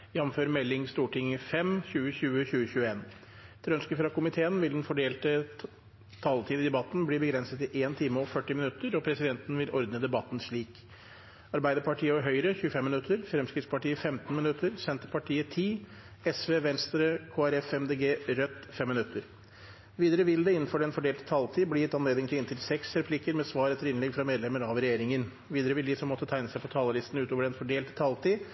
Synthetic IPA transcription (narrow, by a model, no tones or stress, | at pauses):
jɑnːm̩føːɾəmɛlːɪŋst̪uːʈɪŋːəfɛmçʉːəɕʉːəçʉːəçʉːəeːn | t̪ʰɪlœnskəfɾɑkʊmɪt̪ʰeːənʋɪld̪nfɔɖeːlt̪ə | t̪ʰɑːlt̪ʰiːd̪ɪd̪ɛbɑt̪n̩bliːbəɡɾɛnsət̪ɪʔeːnt̪ʰɪmːəɾɔfœʈːɪmɪnʉt̪ʰːəɾɔpʰɾɛsɪd̪ɛnt̪n̩ʋɪlʔɔɾd̪nəd̪ɛbɑt̪ːn̩ʂɭiːk | ɑɾbæɪd̪əɾpɑʈʰiːəɔɾɦœʏɾəçʉːəfɛmːnʉt̪ʰːəɾfɾɛmskɾɪt̪spɑʈiːəfɛmt̪n̩mɪnʉt̪ʰːəɾsɛnt̪əɾpʰɑʈʰiːət̪ʰiː | ɛsʋeːʋɛnst̪ɾəkʰoːæɾɛfɛmd̪eːɡeːɾœt̪ːfɛmːɪnʉt̪ʰːəɾ | ʋiːd̪əɾəʋɪld̪ɛɪnːn̩fɔɖɛnfɔɖeːlt̪ət̪ʰɑlt̪ʰiːbliːɛt̪ɑnleːd̪ɪŋt̪ɪɪnt̪ʰɪlsɛksɾɛpʰlɪkːəɾmɛsʋɑːɾɛt̪ːəɾɪnlɛɡfɾɑmeːd̪lɛməɾɑʋɾɛjeːɾɪŋən | ʋiːd̪əɾəʋɪld̪ɪsɔmːɔt̪ːət̪ʰæɪnəsæɪpʰɔt̪ʰɑːləlɪst̪n̩ʉːt̪oːʋəɖɛnfɔɖeːlt̪t̪ʰɑlt̪ʰiː